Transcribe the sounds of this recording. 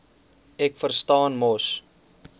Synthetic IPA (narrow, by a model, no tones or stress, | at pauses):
ɛkfərstɑːnmɔs